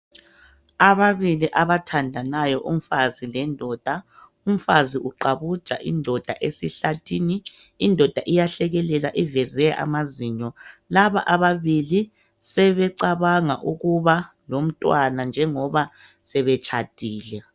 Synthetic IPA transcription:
aβaβiliʔaβatʰandʱanajɔʔum̩fazilɛndʱɔd̥ʱa | um̩faziʔuǃaβud̥ʒ̥ʱʼa̰ʔindʱɔd̥ʱaʔesiɬatʰiːniː | ndʱɔd̥ʱaʔijaɬɛɣɛlɛlaʔivɛzɛʔa̰maziːɲɔlaβa̰ʔaβaβili | sɛβɛǀaβaŋa̰ʔuɣuβa | lom̩tʼwanand͡ʒʱɛŋɔβa | sɛβɛt͡ʃʰʼad̥ʱiːlɛ

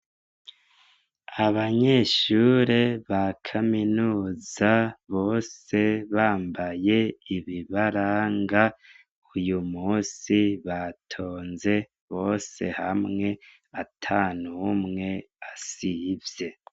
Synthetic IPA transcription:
aβaɲe̞ʃuɾeβakʰaminuːzaβo̞ːse̞βaːmbaje̞iβiβaɾaːŋɡa | ujumuːsiβatʰo̞ːnze̞ | βo̞ːse̞hamŋe̞ | atʰaːnumŋe̞ | asivje̞

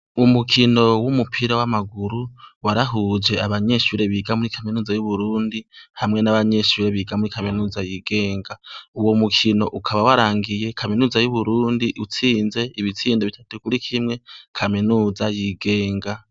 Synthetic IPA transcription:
umukʰino̞wumupʰiɾawamaɡuɾuwaɾaɦud͡ʒe̞aβaɲe̞ʃuɾe̞βiɡamuɾikʰaminuːzajuβuɾuːndihamŋe̞naβaɲe̞ʃuɾe̞βiɡamuɾikaminuːzajiɡe̞ːŋɡauwomukʰino̞ʔukʰaβawaɾaːŋɡije̞kʰaminuːzajuβuɾuːndiʔut͡siːnze̞iβit͡siːndeβitʰatukuɾikʰimŋe̞kʰaminuzajiɡe̞ːŋɡa

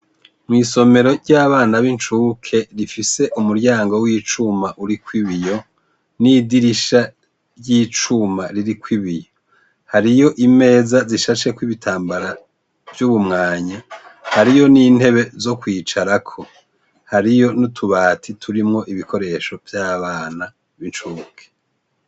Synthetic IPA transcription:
mŋiːso̞me̞ɾo̞ɾɟaːβaːnaβint͡ʃuːkʰe̞ɾifise̞ʔumuɾɟaːŋɡo̞wiːt͡ʃumaʔuɾikwiβijo̞ | nidiɾiʃa | jiːt͡ʃumaɾiɾikwiβijo | haɾijo̞ʔime̞ːzaziʃaʃe̞kwiβitʰaːmbaɾa | vjuβumŋaːɲahaɾijo̞niːn̥he̞βe̞zo̞kwiːt͡ʃaɾakʰo̞ | haɾijo̞nutʰuβaːtʰitʰuɾimŋo̞ʔiβikʰo̞ɾe̞ʃo̞vjaːβaːna | βint͡ʃukʰe

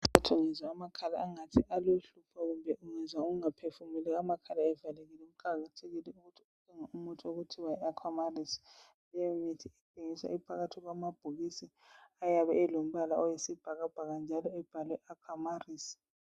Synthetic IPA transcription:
atʰuŋɛzwaːmakʰala̰ːŋatʰiʔaloɬupʰaɣumbʱɛʔuŋɛzwauɣuŋapʰefumilɛamakʰalaɛvaleɣilɛum̩kaɣatʰeɣilɛuɣutʰiutʼiŋaumutʼoɣutʰiwajɛakʰwamarisi̥ | lɛjɔmitʰiɛtʼeŋisa̰ʔipʰaɣatʰiɣwamab̥ʱuɣisi | ajaβɛːlom̩βalaɔjisib̥ʱaɣab̥ʱaɣand͡ʒʱalɔɛb̥ʱalwɛʔakʰwamariːsi̥

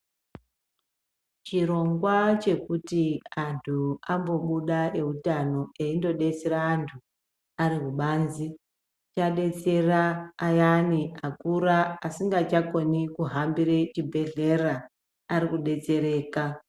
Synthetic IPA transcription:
t͡ʃiɾo̞ŋɡwat͡ʃe̞kutiantʰuambo̞ɓuɗae̞ɦutano̞eindo̞ɗe̞t͡seɾaːntʰu | aɾiɦuɓaːnzi | t͡ʃaɗe̞t͡se̞raːjaniakuɾaasiŋɡat͡ʃako̞nikuɦambiɾet͡ʃibʱe̞ɮe̞raː | ɾikuɗe̞t͡se̞ɾe̞ːka

